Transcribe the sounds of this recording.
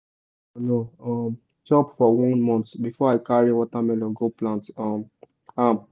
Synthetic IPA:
noɔm | d͡ʒɔpfɔwɔ̃nmɔ̃ntbifɔaɪkaɹiwɔtamɛlɔ̃ɡoplãntɔm | am

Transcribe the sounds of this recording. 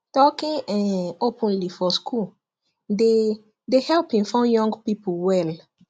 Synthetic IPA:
tɔkĩŋɛ̃nopʰə̃nlifɔskʰul | de | dehɛlpĩŋfãʊ̃njɔ̃ŋɡpipʰlwɛl

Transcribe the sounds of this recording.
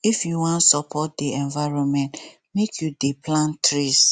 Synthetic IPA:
ifjuwɔ̃ntsɔpʰɔt̚diɛ̃nvaɪɹɔ̃nmɛ̃nt | mekʰjudiplãntɹis

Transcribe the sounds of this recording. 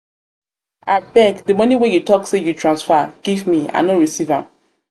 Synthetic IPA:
at̚bɛkdəmonĩwejutɔksejutʰɹãnsfaɡ̥ivmiã̰noɹisivãm

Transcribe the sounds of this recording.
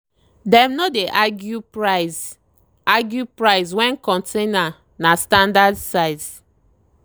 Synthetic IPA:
dɛ̃mnɔdeʔaɡjupɹaz | aɡjupɹaɪswɛ̃nkɔ̃ntʰẽna | nastãndadsaɪs

